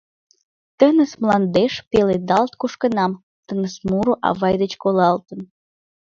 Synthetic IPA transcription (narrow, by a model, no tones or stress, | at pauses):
t̪ənəsmlɑnd̪eʃpeled̪ɑlt̪̚kuʃkənɑm | t̪ənəsmuɾuʔɑ̰βɑjd̪ət͡ɕkolɑlt̪ən